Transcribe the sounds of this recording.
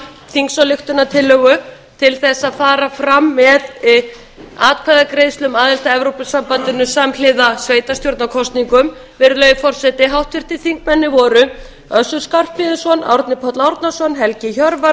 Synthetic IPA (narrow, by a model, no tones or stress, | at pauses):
θiŋksɔlɪxt̪ʏnat̪ʰɪlːœɣʏ | t̪ʰɪlθɛsːaðfaːɾafɾamːɛð | aːt̪̚kʰaðakɾeːjst̪lʏmaːðɪl̥t̪aɛvɾowpʏsampant̪ɪnʏsaml̥ɪðasveːjt̪ast̪joɾt̪nakʰɔst̪niŋkʏm | vɪɾlœːɥfɔr̥sɛt̪ɪɦawht̪vɪr̥t̪ɪθiŋkmɛnːɪvɔːɾʏ | œsʏɾ̥skar̥pmɪðɪsɔna̰wɾt̪nɪpʰɔt̪lawɾt̪nasɔnɦɛlcɪçœɾva